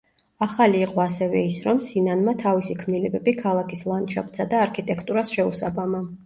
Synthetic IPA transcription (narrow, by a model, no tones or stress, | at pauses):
aχaliːqʼɔasɛvɛisɾɔmsinanmat̪ʰavisikʰmnilɛbɛbikʰalˠakʰislˠant̪ʃa̰p̚ʰt̪sad̪aːɾkʰit̪ʼɛkʰt̪ʼuɾasʃɛusabama